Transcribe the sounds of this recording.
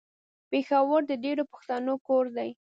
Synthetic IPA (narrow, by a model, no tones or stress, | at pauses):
pexawəɾd̪əɖeɽopə̥xt̪anokoɾd̪aj